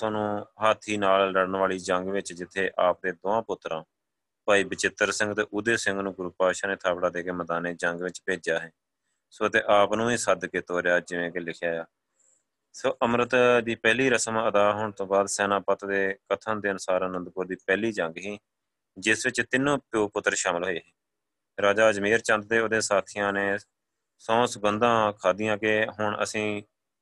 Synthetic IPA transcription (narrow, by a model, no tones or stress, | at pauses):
saːnũːɦaːt̪ʰiːnaːlɾəɽənʋaːɭiːd͡ʒəŋɡʋɪt͡ʃd͡ʒɪt̪ʰːeːʔaːp̚d̪eːd̪oːãːpʊt̪ːɾãː | paːiːbɪt͡ʃɪt̪ːəɾsɪ̃ŋɡt̪eːʔʊd̪eːsɪ̃ŋɡnũːɡʊɾuːpaːʃaːneːt̪ʰaːbɽaːd̪eːkeːməd̪aːneːd͡ʒəŋɡʋɪt͡ʃpeːd͡ʒaːɦɛ̃ː | soːt̪eːʔaːpnũːiːsəd̪keːt̪oːɾejaːd͡ʒɪʋẽːkelɪkʰjaːjaː | soːʔəmɾət̪d̪iːpɛːliːɾəsəməd̪aːɦoːɳt̪õːbaːd̪sɛːnãːpət̪d̪eːkət̪ʰə̃ːd̪eːənʊsaːɾanə̃nd̪kʊːɾd̪iːpɛːliːd͡ʒəŋɡɦiː | d͡ʒɪsʋɪt͡ʃt̪ɪnːũːpoːpʊt̪ːəɾʃaːməlɦoːeːɦɛː | ɾaːd͡ʒaːd͡ʒmeːɾt͡ʃə̃nd̪̚t̪eːoːd̪ẽːsaːt̪ʰiːjãːneː | sɔ̃ːsbənd̪ãːkʰaːd̪ɪjãːkeɦʊɳə̰sĩː